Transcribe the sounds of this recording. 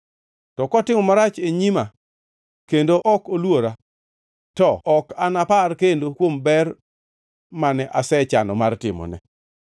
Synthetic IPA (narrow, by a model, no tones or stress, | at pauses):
tɔkɔtɪmɔmaɾat͡ʃeɲima | kendoʔɔkolwoɾa | tɔɔkanaparkendokwombɛr | manɛʔasɛt͡ʃanɔmartɪmɔ̰nɛ̰